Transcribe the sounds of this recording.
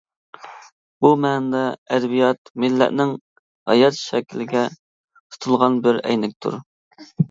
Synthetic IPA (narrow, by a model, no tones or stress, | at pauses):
b̥umɛːnd̪ɑɛd̪ɛbijɑt̪mɪlːɛ̰ʔnɪŋ | hɑ̰jɑt̪ʃɛkʲʰilɪɡʲɛ | t̪ʰu̥t̪ʰulˠʁɑnbɪɾɛ̰jnɪk̚ʲt̪ʰṵɾ